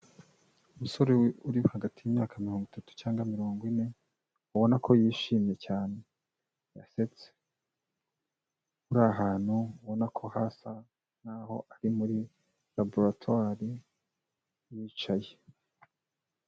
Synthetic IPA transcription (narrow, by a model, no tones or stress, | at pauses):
umuso̞ɾeuɾiβohaɡatijiːmɲaːkamiɾoːŋɡwitatu̥t͡ʃaːŋɡamiɾo̞ːŋɡwine̞ | uβo̞nakʰo̞jiːʃiːmje̞caːne̞ | ja̰se̞t͡se̥ | uɾaɦaːn̥huuβo̞nakʰo̞hasa | naho̞̰ʔaɾimuɾi | laboɾatʰwaɾi | jiːt͡ʃaje